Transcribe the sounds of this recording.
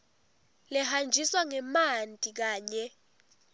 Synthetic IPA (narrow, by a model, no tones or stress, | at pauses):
lɛhand͡ʒʱiswaŋɛmantʼik̬aːɲɛ